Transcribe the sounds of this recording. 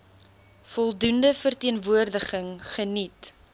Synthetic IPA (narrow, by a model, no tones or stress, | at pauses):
fɔlˠdundəfərtiənvuərdəχəŋχənit